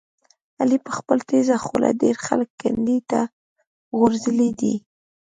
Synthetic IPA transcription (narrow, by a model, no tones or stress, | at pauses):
alipəxpəlt̪ezaxolʔa̰ɖeɾxaləkːand̪it̪a | ɣʊɾzəlid̪ḭ